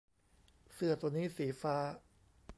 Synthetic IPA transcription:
sɯ˨˩ɐət̪u˧niː˦˥˩siː˩˦faː˦˥

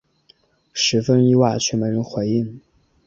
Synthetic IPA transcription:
ʂɻ̩˧˥fə˥ni˥˧wa˥˩ɪt͡ɕʰy˥˩mə˧˥ɻə˧˥nxwe˧˥ɪi˥˩ŋ

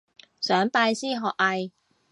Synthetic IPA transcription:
sœː˨˥ŋpaː˧jsiː˥ɦɔː˨k̚ɐ˧j

